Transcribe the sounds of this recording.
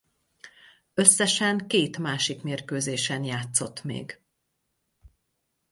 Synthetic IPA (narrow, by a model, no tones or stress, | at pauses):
ø̞sːɛʃɛŋkeːt̪maːʃikmeːrkøːzeːʃɛnjaːt̪so̞t̪mḛːɡ